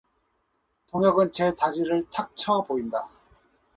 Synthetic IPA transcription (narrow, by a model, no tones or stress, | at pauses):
toŋjʌɡɯnt͡ɕetad͡ʑiɾɯɭtʰak̚t͡ɕʰʌpoinda